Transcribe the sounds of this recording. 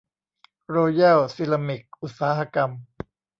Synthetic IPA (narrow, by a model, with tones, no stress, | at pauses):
ɾoː˧jɛː˥˩wsi˧˥la˧mi˨˩k̚ʔu˨˩t̪̚saː˩˦ha˧ka˧m